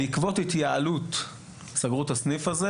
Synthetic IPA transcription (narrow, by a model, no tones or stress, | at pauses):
ikvo̞t̪it̪jaalut̪ | saɡʁuthasnifaze